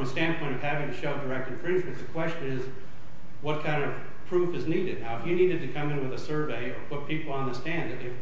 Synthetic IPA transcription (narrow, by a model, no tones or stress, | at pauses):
mstæ̃npʰɔ̃ɪ̃ʌv̥hævɪ̃ŋtɨʃoʊdə˞ɛk̚tɨ̃ɱfɹɪ̃nd͡ʒmɨ̃nðɨkʰw̥ɛst͡ʃɨ̃nɪz | wʌt̚kʰãɪ̃ndʌv̥ | pʰɹ̥ufɨzniɾɨdⁿnaʊəfjɨniɾɨd̚tɨkʰʌ̃mɨ̃nwɨðɨsɜ˞veɪə˞pʰʊt̚pʰipl̩ˠə̃nðɨstæ̃nðɨðeɪ